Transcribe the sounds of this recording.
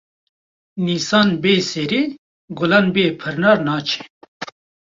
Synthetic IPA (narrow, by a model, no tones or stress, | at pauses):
niːsɑːnbeːseɾeː | ɡʊlɑːnbiepʰɨɾnɑːɾnɑːt͡ʃʰe̥